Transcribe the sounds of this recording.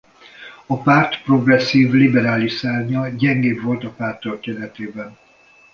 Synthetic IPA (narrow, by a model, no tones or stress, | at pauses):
ɒpaːrt̪pro̞ɡrɛsːiːvlibɛɾaːliʃsaːrɲɒɟɛŋɡeːbvo̞lt̪ɒpaːrt̪olkɛdɛt̪eːbɛn